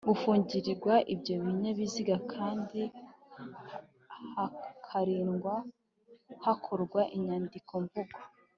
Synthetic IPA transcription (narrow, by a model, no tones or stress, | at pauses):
ɡufuːɲɟiɾiɾɡwaʔibjo̞βiɲe̞βiziɡakʰaːndi | hakʰaɾiːnɡwa | hakʰo̞ɾɡwaʔiɲaːndikʰo̞ɱvuɡa